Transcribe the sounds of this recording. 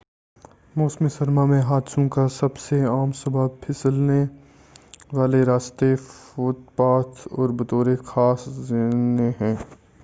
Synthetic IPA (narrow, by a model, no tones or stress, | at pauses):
moːsmisɐɾmamẽɦaːd̪sõkasɐbseaːmsɐbʱaːpʰɪslne | ʋaːleɾaːst̪efot̪̚paːt̪ʰɔ̰ːɾbɐt̪oːɾexʰaːszɪneɦɛ̃ː